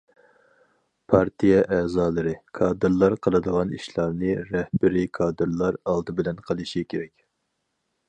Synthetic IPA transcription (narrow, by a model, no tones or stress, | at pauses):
pʰɑɾt̪ʰijɛʔɛːzɑːlˠɨɾɨkʰɑːd̪ɨɾlˠɑɾqʰəlˠɨd̪əʁɑnḭʃlˠɑɾnɨɾɛhbɪɾikʰɑːd̪ɨɾlˠɑɾɑlˠd̪ɨbɪlɛnqʰəlˠɨʃikʲʰeɾɛkʲ